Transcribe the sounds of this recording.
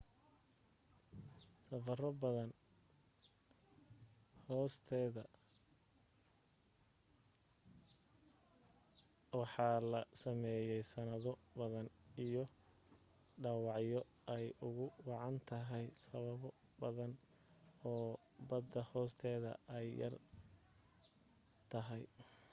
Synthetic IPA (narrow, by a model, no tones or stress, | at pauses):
sɐfɐrɔbɐðɐn | hɔːst̪ʰɛːðɐ | wɑħɑːlɐsɐmɛːjɛjsɐnɐðɔbɐðɐnijɔ | ɖɑwɑʕjɔ | ʔɛjʊɣʊwɑʕɑnt̪ʰɐɦɛjsɐβɐβɔ | bɐðɐn | ɔː | bɐd̪ɐhɔːst̪ʰɛːðɐ̰ʔɛjːɐ̰r | t̪ʰɐɦɛj